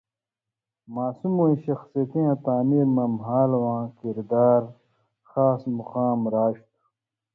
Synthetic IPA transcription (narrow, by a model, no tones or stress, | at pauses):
maːsumuĩɕɐxsit̪ĩjãt̪aːmiɾmɐmɦaːlwãːkiɾd̪aːɾ | xaːsmuqaːmɾaːɕt̪u̥